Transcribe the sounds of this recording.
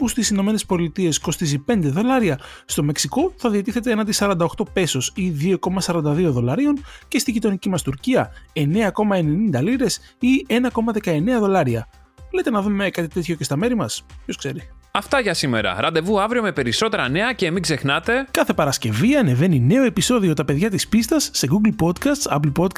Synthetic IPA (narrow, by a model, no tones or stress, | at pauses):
pust̪isino̞me̞ne̞spo̞lit̪ie̞sko̞st̪izipe̞nd̪e̞ðo̞lɐɾiɐ | st̪o̞me̞ksiko̞θɐðiɐt̪iθe̞t̪eenɐnt̪isɐɾɐnd̪ɐoxt̪o̞pe̞so̞siðio̞ko̞mɐsɐɾɐnd̪ɐðio̞ðo̞lɐɾio̞nce̞st̪iʝit̪o̞nicimɐst̪uɾciɐe̞ne̞ɐko̞mɐe̞ne̞nind̪ɐliɾe̞sie̞nɐko̞mɐðe̞kɐe̞ne̞ɐðo̞lɐɾiɐ | lejt̪e̞nɐðume̞kɐt̪it̪e̞t̪ço̞ce̞st̪ɐme̞ɾimɐspço̞skse̞ɾi | ɐft̪ɐʝɐsime̞̰ɾɐ̰ɾɐnd̪e̞vuɐvɾio̞me̞pe̞ɾiso̞t̪e̞ɾɐne̞ɐceːmiɡze̞xnɐt̪e̞kɐθe̞pɐɾɐsce̞viɐne̞ve̞nine̞oe̞piso̞ðio̞t̪ɐpe̞ðʝɐt̪ispist̪ɐsːeɡuɡlpo̞d̪kɐst̪sɐ̰plpo̞t̪k